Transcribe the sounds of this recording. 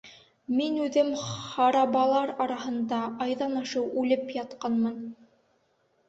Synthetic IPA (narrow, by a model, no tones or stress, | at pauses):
minʉðɘmχɑɾɑβɑlˠɑɾɑɾɑɦɤ̆nd̪ɑʔɑjðɑnɑʃɤwʉlɘpjɑt̪qɑnmɤn